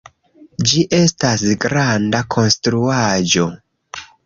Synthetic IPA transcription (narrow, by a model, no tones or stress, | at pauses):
d͡ʒiʔe̞stasɡɾandakʰo̞nstɾuad͡ʒo̞